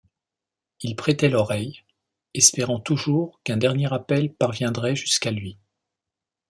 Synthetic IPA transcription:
ilpχɛt̪ɛlɔʁɛj | ɛspeʁɑ̃t̪uʒuʁkɛ̃d̪ɛʁnjeʁapɛlpaʁvjɛ̃d̪ʁɛʒyskalɥi

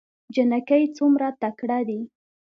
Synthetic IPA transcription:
d͡ʒɪnakajt͡sumɾat̪akɽad̪i

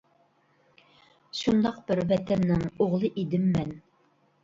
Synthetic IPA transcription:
ʃund̪ɑqbɪɾwɛt̪ʰɛnːɪŋoʁlˠɨʔid̪ɪmːɛn

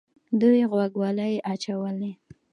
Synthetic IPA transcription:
d̪ujɣwaɡwɑləjʔat͡ʃawəle

